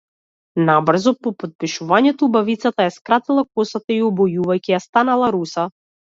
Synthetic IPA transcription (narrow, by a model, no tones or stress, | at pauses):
nabr̩zɔpɔpɔt̪̚piʃuvaɲɛt̪ɔubavit̪sat̪ajaskɾat̪ilˠakɔsat̪aiɔbɔjuvajkijast̪analˠaɾusa